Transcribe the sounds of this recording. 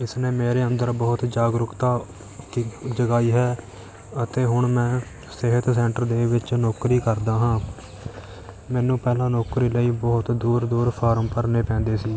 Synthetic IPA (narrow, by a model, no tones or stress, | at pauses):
ɪsneːmeːɾeːənd̪əɾbəɦʊt̪d͡ʒaːɡɾʊkt̪aː | kid͡ʒəɡaːiːɦɛː | ət̪eːɦʊɳmɛ̃ː | sɪɦət̪sɛ̃ːɳʈəɾd̪eːʋɪt͡ʃnoːkɾiːkəɾd̪aːɦãː | mɛːnũːpɛːlãːnoːkɾiːləiːbɔɦʊt̪d̪uːɾd̪uːɾpʰaːɾəmpəɾneːpɛ̃ːnd̪eːsiː